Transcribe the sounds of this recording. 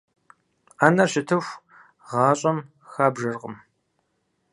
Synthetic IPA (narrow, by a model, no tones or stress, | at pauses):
aːnɐɕɪtʰɨfʷ | ʁɑːɕʼɐm | xaːbʒɐrʁə̰m